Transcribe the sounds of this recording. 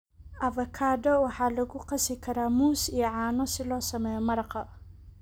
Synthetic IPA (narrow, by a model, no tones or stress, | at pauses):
ʔɐvɐkʰaːdɔwɑħɑːlɐɣʊqɑsɪkʰɐɾaːmuːsijɔʕɑːnɔsɪlɔːsɐmɛjɔmɐɾɑqɐ